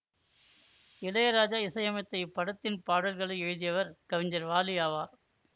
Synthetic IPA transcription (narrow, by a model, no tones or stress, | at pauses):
ɪlɐjɐɾaːd͡ʒaːɪsɐjɐmɐt̪ːɐɪpɐɽɐt̪ːɪnpaːɽɐlɣɐɭɐɪɛɻɯðɪjɐʋɐɾkɐʋɪɲd͡ʒɐɾʋaːlɪjaːʋaːɾ